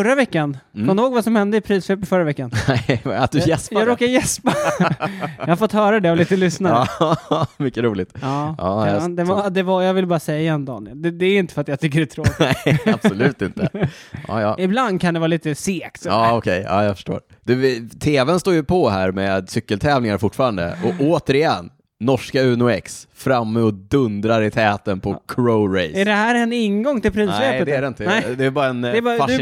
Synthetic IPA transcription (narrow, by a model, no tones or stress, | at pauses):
fœɾːavɛkːankɔmnd̪hoːɡvasɔmhɛnd̪əɪpʰɾiːsfɛpːəfœɾːavɛkːanɛa̰t̪̚d̪ɵjɛspjaɾoːkajɛspa | jɑhafɔt̪hœːɾad̪ɛɔliːt̪əlʏsna | mʏkːəɾuːlɪt̪ɑːɑːd̪ɛd̪ɛvajɑːɡvɪlbɑːɾasɛjːaɛnd̪ɑ̰ːnɪəld̪ɛd̪ɛæɾɪnt̪əfɾat̪jat̪ʰʏkːəɖɛt̪ʰɾonɛab̥ɔlʉ̟ːt̪ɪnt̪əʔɑ̰ːjɑ̰ːɪbland̪̚kʰand̪ɛvɑːaliːt̪əseːksɔɑːɔkʰɛjɑ̰ːjɑfə̥ʂʈo̰ːɾ | d̪ʉt̪ʰeːvɛnst̪oːɾjɵpʰɔɦæːɾmɛd̪sʏkːəlt̪ʰɛːvnɪŋaɾfʊʈːfɑːɾand̪ə̰ʔɔʔoːt̪əɾɪjɛnː | ɔʂkaʉ̟ːnʊɛksfɾamːəɔd̪ɵnd̪ɾaɾɪt̪ʰɛːt̪ənpʰɔkʰɾoːɾɛjɛɖɛhæːɾɛnɪnɡɔŋt̪ɪlpʰɾiːseəd̪ɛæɾɛɪnt̪ənɛd̪ɛːbɑːɾaɛnɛbɑːɾfad̪